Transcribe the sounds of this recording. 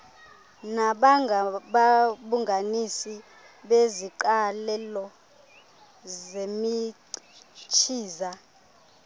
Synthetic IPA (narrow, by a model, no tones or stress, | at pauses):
naɓaɓaɓuŋɡʱanisi | ɓeziǃalɛlɔ | zemi | t͡ʃʰiːza